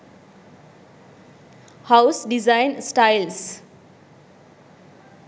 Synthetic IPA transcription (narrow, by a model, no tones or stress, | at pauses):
hawsɖizajnsʈajls